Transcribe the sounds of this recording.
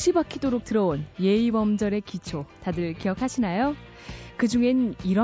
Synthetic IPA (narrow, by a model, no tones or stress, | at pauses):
ɕ͈ʰibakʰidoɾok̚tɯɾʌonje̞ibʌmd͡ʑʌɾe̞kit͡ɕʰotadɯɭkijʌkʰaɕʰinajo | kɯd͡ʑuŋe̞niɾʌ